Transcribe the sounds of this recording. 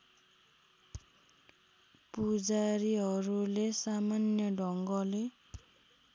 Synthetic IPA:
pud͡zaɾiɦʌɾulesamanjʌɖʱʌŋɡʌle

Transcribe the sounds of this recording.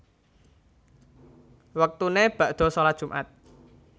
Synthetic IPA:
wək̚t̪uneb̥ä̤ʔd̪̥ɔ̤solad̥ʒ̥ṳmʔa̰t̪̚

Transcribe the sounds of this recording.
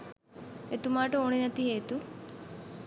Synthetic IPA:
et̪umaːʈəoːɳ̃inɐt̪iɦeːt̪u

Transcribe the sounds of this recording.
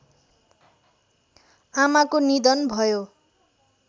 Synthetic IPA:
amakonid̪ʌnbʱʌjo

